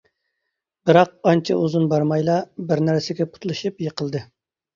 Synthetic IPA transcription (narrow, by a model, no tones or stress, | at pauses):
b̥ɪɾɑq̚ɑnt͡ʃʰɛʔuzunbɑɾmɑjlˠɑbɪɾnæɾsɪɡʲɛpʰʊ̥t̪lˠɨʃɨpjəqʰəlˠd̪ɨ